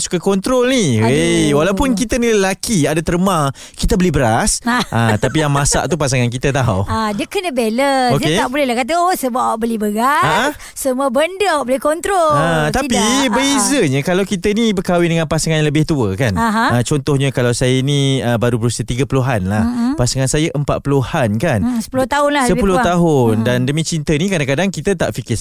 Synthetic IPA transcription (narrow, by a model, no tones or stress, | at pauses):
su̥kakɔnt̪ɾɔlniwewalawpʊnkit̪əniləlakiadat̪əɾəmã | kit̪əbəlihbəɾasat̪apijaŋmãsa̰ʔt̪upasaŋankit̪ət̪aɦa̰wadiəkənəbeləodiəeaʔbulɛhlahkat̪̬əosəbaʔ̚awaʔbəlɛhbəɡaaə | səmũəbəndəawaʔbolɛhkɔnt̪ɾolaapibəizəɲə̃kalawkit̪ənibərkawidəŋãnpasaŋanɲləbɪht̪uəkanɦat͡ʃɔnt̪ɔhɲəkalawsajəiniəbaɾupəɾusət̪iɡəpuluɦanlahpasaŋansajəʔəmpa̰t̪̚pəluhankansə̥pulʊht̪aʊnlasəpulʊt̪aɦʊndandəmĩt͡ʃint̪ənĩkadakadaŋkit̪ət̪a̰ʔfikɪ